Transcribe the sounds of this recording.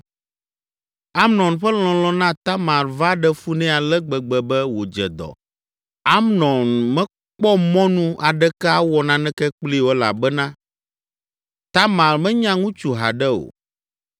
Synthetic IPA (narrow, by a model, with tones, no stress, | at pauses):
a˦mnɔ̃˨nɸɛ˦l̃ɔ̃˨lɔ̃˦nã˦t̪a˦mã˨lva˦ɖɛ˦fu˦nɛ̃˦a˨lɛ˦ɡ͡bɛ˨ɡ͡bɛ˨bɛ˦wo˨d͡ʒɛ̰˨d̪ɔ̰˨ | a˦mnɔ̃˨nmɛ̃˦ | k͡pɔ˦mɔ̃˦nũ˦ʔa˨ɖɛ˦kɛ˦a˦wɔ˨nã˨nɛ̃˦kɛ˦k͡pli˦˨wo˦la̰˨bɛ˦nã˦ | t̪a˦mã˨lmɛ̃˦ɲã˦ŋũ˦t͡ʃu˨ɦa̰˨ɖɛ˦o̰˨